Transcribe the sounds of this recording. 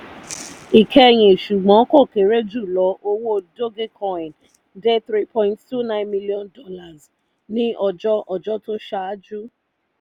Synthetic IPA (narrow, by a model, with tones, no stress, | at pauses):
i˨kʰe˦˨ɲe˨ʃu˨ɡ͡bɔ˨˦kɔ˦˨ke˨ɾe˦d͡ʒu˦˨lɔ˨ʔo˦wo˦˨do˦ɡe˦kʰɔ˨ɪ˨n | de˦θɾi˦pʰɔ̃˦ɪ̃˦nttu˦nã˦ɪ̃˦nmi˦li˦ɔ˦ndɔ˦la˨z | nɪ̃˦ɔ˨d͡ʒɔ˦ʔɔ˨d͡ʒɔ˦tʊ˦ʃa˨a˦d͡ʒu˦